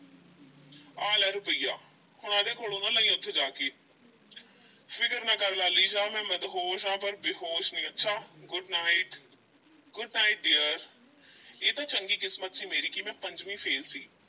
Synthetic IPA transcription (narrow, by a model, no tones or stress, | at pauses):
aːlɛːɾʊpəija̰ː | hʊɽ̃ãːd̪eːkoːloːnãːnəĩːʊt̪ʰːed͡ʒaːkeː | pʰɪkəɾnãːkəɾlaːliːd͡ʒaːmɛ̃ːməd̪ɦoːʃãːpəɾbɪɦoːʃnĩːətːʃʰaːɡʊɖnaːɪʈ | ɡʊɖnaːɪʈ̚ɖeːəɾ | eːt̪ãːt͡ʃəŋɡiːkɪsmət̪siːmeːɾiːkimɛ̃ːpəɲd͡ʒʋĩːpʰeːlsiː